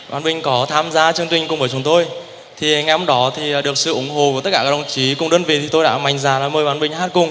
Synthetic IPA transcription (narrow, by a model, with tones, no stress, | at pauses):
ɓaː˨˦nɓï˧˩ŋ̟kɔ˨˦t̪ʰaː˧mzaː˧t͡ɕɨ˧əŋt̪wï˧˩ŋ̟kʊ˨˩ŋ͡mɓəː˧˦jt͡ɕʊ˨˦ŋ͡mt̪o˧j | t̪ʰi˨˩ŋa˨˩jʊ˧ŋ͡mɗɔ˨˦t̪ʰi˨˩˨ɗɨ˨˩ək̚sɨ̰˧˨ʔʊ˨˦ŋ͡mɦo̰˧˨u˧˩t̪ə˦˥kaː˧˩aː˦˥˩ŋ͡mt͡ɕi˨˦kʊ˨˩ŋ͡mɗəː˧nvḭ˨˩t̪ʰi˨˩t̪o˧jɗa̰ː˧˥ma˨˩jŋ̟zaː˨˩laː˨˩məː˨˧jɓaː˨˦nɓï˧ŋ̟haː˦˥t̚kʊ˨˧˩ŋ͡m